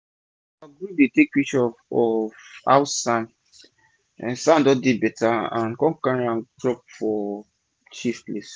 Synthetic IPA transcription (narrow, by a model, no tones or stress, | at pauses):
aɡudetekwiʃɔfɔfa̰wsãn | ɛ̰̃sãndɔdebɛtaã̰nkɔ̃kãɾãntɹɔp̚fɔ | t͡ʃifples